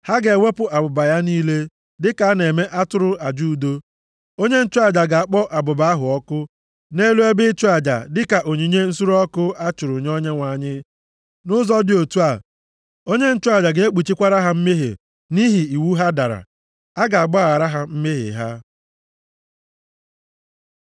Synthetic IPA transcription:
ha˦ɡe˨wʷe˦pʊ˨a˨bʊ˨ba˨ja˦niː˦le˦ | dɪ˦ka˨a˦ne˨me˦ʔa˦tʊ˦ɾʊ˦a˨d͡ʒu˦˨do˦ | o˦ɲe˦n̩˦t͡ʃʊ˦a˨d͡ʒa˨ɡa˨a˨k͡pɔ˦ʔa˨bʊ˨ba˨a˦ɦʊ˨ɔ˦kʊ˦ | ne˦lu˦e˦bɪ˦t͡ʃʊ˦a˨d͡ʒa̰˨dɪ˦ka˨ʔo˨ɲi˨ɲe˦n̩˦su˦ɾɔ˦kʊ˦a˦t͡ʃʊ˨ɾʊ˨ɲ˦o˦ɲe˦ŋʷa˨ɲɪ˦ | nʊ˦zɔ˦dɪ˨o˨tu˦a˨ | o˦ɲe˦n̩˦t͡ʃʊ˦a˨d͡ʒa˨ɡe˨e˦k͡pu˨t͡ʃi˦kʷa˦ɾa˦ɦa˦m̩˦me˦ɦḛ˨ | ni˦ɦi˨i˨wu˦ɦa˦da˨ɾa̰˨ | a˦ɡa˨a˨ɡ͡bɔ˦a˦˨a˨ɾa˦ɦa˦m̩˦me˦ɦɪ̰˨ɦa̰˦

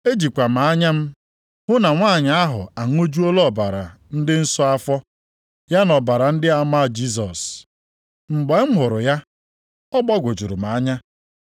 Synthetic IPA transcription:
e˦d͡ʒi˨kʷa˨m̩˨a˨˦ɲa˦m̩˦ | hʊ˦na˨ŋʷaː˦˨ɲa˨a˦ɦʊ̰˨a˨ŋʷ˦o˦d͡ʒu˦o˦lɔ˦˨ba˨ɾa˨ | n̩˦dɪ˦n̩˦sɔ˦a˦fɔ˦ | ja˦nɔ˨ba˨ɾa˨n̩˦dɪ˦a˨ma˦˨d͡ʒi˦s̬ɔ̰˨s | ŋ͡m̩˨ɡ͡bɔ˨˦m̩˦ɦʊ˨ɾʊ˨ja˦ | ɔ˦ɡ͡bɔ˦ɡʷo˨d͡ʒu˨ɾʊ˨m̩˨a˨˦ɲa˦

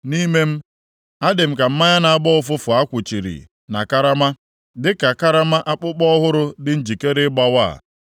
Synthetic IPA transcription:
ni˦me˦m̩˦ | a˦dɪ˨m̩˦ka˨m̩˦ma˦ɲa˦na˨a˦˨bɔ˦ʊ˦˨fʊ˦fʊ˨a˦kʷʊ˨t͡ʃi˨ɾḭ˨ | na̰˨ka˦ɾa˦ma˦ | dɪ˦ka˨ka˦ɾa˦ma˦ʔa˦k͡pʊ˦k͡pɔ˦ɦʊ˦ɾʊ˦dɪ˦n̩˦d͡ʒi˨ke˦ɾɪ˦ɡ͡ba˦wa̰˦˨

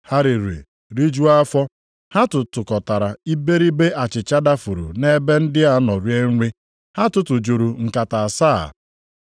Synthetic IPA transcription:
ha˦ɾi˨ɾḛ˨ | ɾi˦d͡ʒu˦a˦fɔ˦ | ha˦tʊ˨tʊ˨kɔ˨ta˨ɾa˨i˦be˦ɾi˦be˦ʔa˨t͡ʃɪ˨t͡ʃa˦da˦fu˨ɾṵ˨ne˦be˦n̩˦dɪ˦a˦nɔ˨ɾje˦ŋ̩˦ɾʷi˦ | ha˦tʊ˦tʊ˨d͡ʒu˨ɾu˨ŋ̩˨ka˨ta˨saː˦˨

